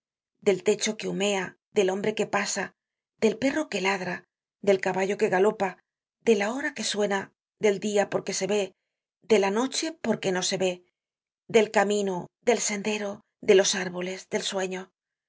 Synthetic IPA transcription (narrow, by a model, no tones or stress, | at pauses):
d̪e̞lt̪e̞t͡ʃo̞ke̞ume̞a | ðe̞lo̞mbɾe̞ke̞pasa | d̪e̞lpe̞ro̞ke̞laðɾa | ðe̞lkaβaʎo̞ke̞ɣalo̞pa | d̪e̞lao̞ɾake̞swe̞na | ðe̞ld̪iapo̞ɾke̞se̞βe̞ | d̪e̞lano̞t͡ʃe̞po̞ɾke̞no̞se̞βe̞ | ðe̞lkamĩnod̪e̞lse̞nd̪e̞ɾo̞ | ðe̞lo̞saɾβo̞le̞zd̪e̞lswe̞ɲo̞